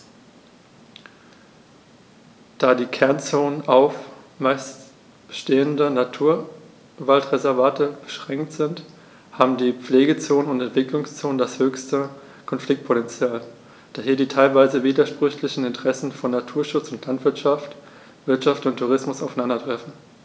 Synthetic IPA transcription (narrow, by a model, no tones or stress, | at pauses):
d̥aːdiːkʰɛɐnt͡soːnənʔaʊf | maɪs | ʃteːəndənatʰuːɐ | valtʁezɛɐvaːtʰəb̥əʃʁ̥ɛŋktz̥ɪnt | haːbm̩diːp͡fleːɡət͡soːnənʊntɛntv̥ɪklʊŋst͡soːnəndashøːçstə | kʰɔnflɪk̚t̚pʰotɛnt͡sjaːl | d̥aːɦiːɐdiːtʰaɪlvaɪzəviːdɐʃpʁ̥ʏçlɪçn̩ɪntəʁ̥ɛsn̩fɔnːatʰuːɐʃʊt͡sʊntlantv̥ɪɐtʃaft | v̥ɪɐtʃaftʊntʰːuʁ̞ɪsmʊsaʊfanandɐtʁ̥ɛfn̩